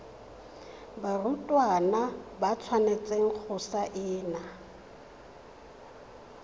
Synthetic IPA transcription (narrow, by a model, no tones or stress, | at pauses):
barutʼwanabat͡sʰwanet͡sʼeŋ̩k͡xʰʊsaʔɪːna